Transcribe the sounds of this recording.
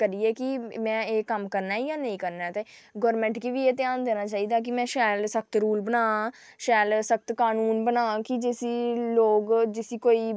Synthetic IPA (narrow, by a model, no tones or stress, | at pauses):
kəɾiɛːkɪmɛ̃ːeːkəmkəɾnaːijaːnə̃ĩːkəɾnaɛːt̪eːɡɔːɾmɛ̃ːɳʈkiʋiːeːt̪ɪjaːnd̪eːnaːt͡ʃaːiːd̪aːk̬ɪmɛ̃ːʃɛːlsəkt̪ɾuːlbənaː | ʃɛːlsək̚t̪kaːnuːnbənaːkɪd͡ʒɪsiːloːɡd͡ʒɪsiːkoːiː